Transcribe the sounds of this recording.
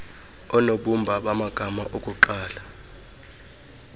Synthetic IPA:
ɔnoɓumbʱaɓamaɡ̥ʱamaʔokʼuǃaːla

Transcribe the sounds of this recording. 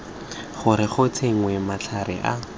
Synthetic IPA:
χʊɾɪχʊt͡sʰeŋ̩wɛmat͡ɬʰaɾɪ̰ʔa

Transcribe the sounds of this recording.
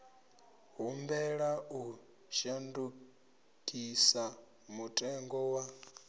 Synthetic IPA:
ɦumbɛɺau | ʃandu | kʼisa | mutʼɛŋɡɔwa

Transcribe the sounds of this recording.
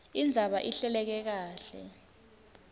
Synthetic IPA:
ind͡zʱaɓaʔiɬɛlɛk̬ɛk̬aːɬɛ̰

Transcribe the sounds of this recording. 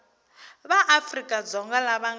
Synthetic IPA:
βaʔafrikʼad͡zɔŋɡalaβaŋ

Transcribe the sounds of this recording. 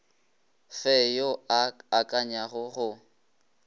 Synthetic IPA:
fɛjoakʼaɲaχʊχʊ

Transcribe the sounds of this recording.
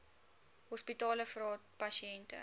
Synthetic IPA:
ɦɔspitɑːləfrɑːt̚pɐʃiɛntə̰

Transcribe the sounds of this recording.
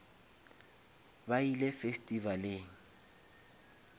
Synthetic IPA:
bailefestʼivaleːŋ̩

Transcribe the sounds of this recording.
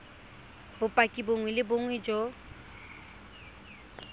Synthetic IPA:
bʊpʼakʼiboŋwɛlɪboŋwɛd͡ʒɔ

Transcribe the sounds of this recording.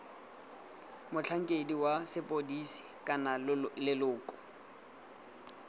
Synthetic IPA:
mʊt͡ɬʰaŋ̩kʼediwasɪpʼodisi̥kʼanalɪlʊːkʼɔ̥

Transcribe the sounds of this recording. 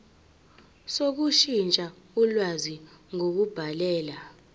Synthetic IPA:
sok̬uʃint͡ʃʼa | ulwaziŋok̬ub̥ʱalɛːla

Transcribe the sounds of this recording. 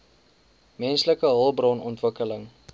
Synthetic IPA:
mɛnsləkəɦəlˠbrɔnɔntvəkələŋ

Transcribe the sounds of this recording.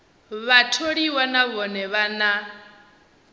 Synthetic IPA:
βatʰoɺiwanaβɔnɛβana

